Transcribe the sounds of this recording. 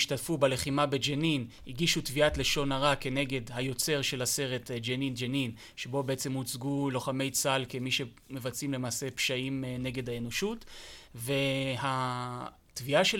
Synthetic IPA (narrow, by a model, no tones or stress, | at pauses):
iʃtatfubele̞χimabed͡ʒenin | iɡiʃutviatle̞ʃo̞naʁake̞ne̞ɡe̞dhajo̞t͡se̞ʁʃe̞lase̞ʁe̞td͡ʒenind͡ʒenin | ʃebo̞beet͡semut͡sɡulo̞χame̞jt͡salkemiʃe̞ | mevat͡simle̞maːse̞pʃaimne̞ɡe̞dhaeno̞ʃutve̞ha | tviaʃe